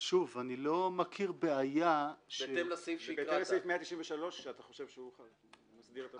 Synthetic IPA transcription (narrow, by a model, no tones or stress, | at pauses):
ʃuvanilo̞makʰiʁbeajaʃelsifbetemlassifmeat̪iʃimveʃalo̞ʃʃeat̪aχoʃevʃeuχad | masdiʁet̪a